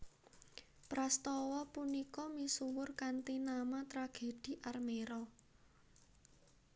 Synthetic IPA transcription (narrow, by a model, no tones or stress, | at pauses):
pɾast̪ɔwɔpunikɔmisuwʊrkant̪inamat̪ɾaɡ̥e̤d̥i̤ʔarmeɾɔ